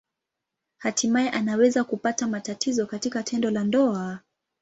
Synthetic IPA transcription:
hatimaɛʔanawɛzakupatamatatʰizɔkatikatʰɛndɔlandɔa

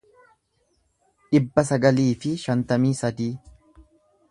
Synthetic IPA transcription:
ᶑɪbːɐsɐɡɐliːfɪʃɐnt̪ɐmiːsɐd̪iː

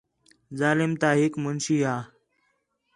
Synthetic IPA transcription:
zaːlɪmt̪aːɦɪkmʊnʃiːaː

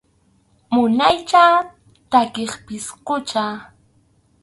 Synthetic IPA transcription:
mʊnajt͡ʃaː | t̪akeχpɪsqʊt͡ʃaː

